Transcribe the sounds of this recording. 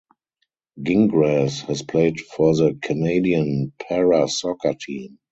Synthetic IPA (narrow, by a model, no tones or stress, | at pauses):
ɡɪ̃ŋɡɹɛshɛspʰleɪdfɔðəkʰəneɪdiə̃npʰɛɹasɔkatʰĩːm